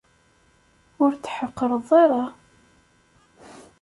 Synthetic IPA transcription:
ʊɾt͡sːħəqːəɾˤðˤeɾˤɑ

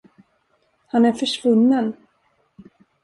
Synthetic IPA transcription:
hanæɾfœʂvɵnːən

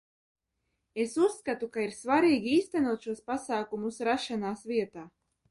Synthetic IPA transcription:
esusːkat̪ukaiɾsvaɾiːɡʲiiːst̪anuɔt̪ʃuɔspasaːkumusɾaʃanaːsvʲiɛt̪aː

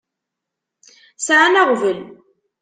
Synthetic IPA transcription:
sʕanaʁvəl

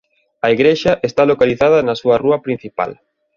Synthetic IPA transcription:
ɐiɣɾeʃɐʔest̪alokaliθað̞ɐnɐsuɐruɐpɾin̟θipa̰l

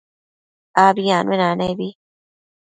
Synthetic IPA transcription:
abijanenanajbi

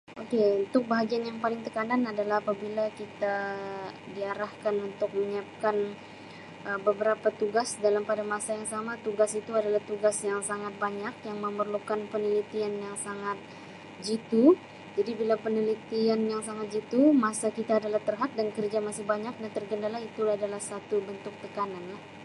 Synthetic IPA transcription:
ʔokeunt̪ʊk̚baɦaɡianjaŋpalɪŋt̪əkananadalahːpabilakit̪a | diaɾahkanunt̪ʊk̚məɲiap̚kan | ʔəbəbəɾapat̪uɡasdalampadamasajaŋsamat̪uɡasit̪uadalaht̪uɡasjaŋsaŋat̪̚baɲak̚jaŋməmərlukanpənilit̪ianjaŋsaŋat̪̚ | d͡ʒit̪u | d͡ʒadibilapənilit̪ianjaŋsaŋat̪̚d͡ʒit̪umasakit̪aːdalaht̪ərɦat̪̚dankərd͡ʒamasɪhbaɲak̚dant̪ərɡəndalahit̪ulaadalahsat̪ubənt̪ʊk̚t̪əkananlah

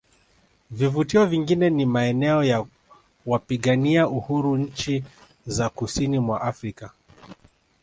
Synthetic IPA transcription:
vivutiɔviŋɡinɛnimaɛnɛɔja | wapiɠaniauhuɾuɲ̩t͡ʃi | zakusinimwaʔafɾika

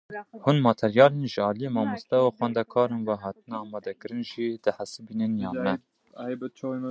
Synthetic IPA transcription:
hunmɑːt̪ʰɛɾjɑːlenʒəɑːlijemɑːmust̪ɛwuxwænd̪ɛkʰɑːɾenwɛɦɑːt̪ɨnɛɑːmɑːd̪ɛkɨɾɨnʒid̪̥ɨħæsɨbiːnɨnjɑːmɛ | jbɛt͡ʃʰ

